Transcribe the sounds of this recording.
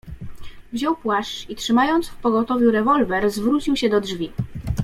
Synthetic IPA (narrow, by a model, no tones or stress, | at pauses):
vʑɔwpwaʂt͡ʂitʂɘmajɔnt̪sfpɔɡɔt̪ɔvʲjuɾɛvɔlvɛɾzvɾut͡ɕiwɕɛd̪ɔdʐvʲi